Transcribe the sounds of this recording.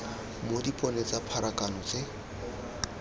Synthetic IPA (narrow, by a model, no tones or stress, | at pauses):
modipʼɔnet͡sapʰaɾakanɔt͡sʼɪ